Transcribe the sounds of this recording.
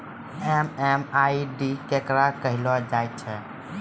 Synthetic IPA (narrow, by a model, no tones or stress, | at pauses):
emɛmaiɖikekɾakəɦilɔd͡ʒajt̪̚t͡ʃʰɛ